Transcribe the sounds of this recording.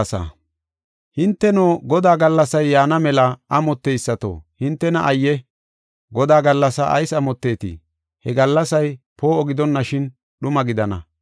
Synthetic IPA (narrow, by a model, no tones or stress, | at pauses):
sɐ̰ | hɪnt̪ːɛnoːɡɔd̪aːɡɐlːɐsɐjːaːnɐmɛlɐɐmɔt̪ːejsːɐt̪o̰ːhɪnt̪ːɛnɐʔɐjːɛ | ɡɔd̪aːɡɐlːɐsɐʔɐ̰jsɐmɔt̪ːe̞ːt̪ɪ̰ | hɛɡɐlːɐsɐj | po̞ːɔɡɪd̪ɔnːɐʃɪn | ɗʊmɐɡɪd̪ɐnɐ̰